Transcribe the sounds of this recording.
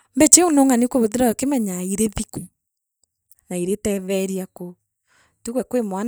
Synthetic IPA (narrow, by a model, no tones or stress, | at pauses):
mbɛt͡ʃeunoŋanikoβot̬eɾaɔkemɛɲaiɾeβiku | naiɾetɛβɛɾiako | tukwɛkwemwan